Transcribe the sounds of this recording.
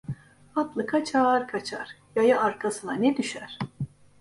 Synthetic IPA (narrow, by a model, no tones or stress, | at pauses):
at̪lˠɯkʰat͡ʃʰaaɾkʰat͡ʃʰaɾ̥ | jajaʔaɾkʰasɯnanɛd̪yʃæɾ̥